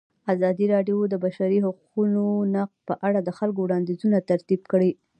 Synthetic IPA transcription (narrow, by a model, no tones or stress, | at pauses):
azɑd̪iɾɑɖjod̪əbaʃaɾiɦʊququnonaqpəʔaɽad̪əxalkowɽɑnd̪izunat̪aɾt̪ibkəɽi